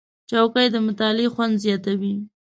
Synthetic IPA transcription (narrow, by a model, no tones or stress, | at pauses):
t͡ʃawkajd̪əmʊt̪ɑlexwand̪zjɑt̪awi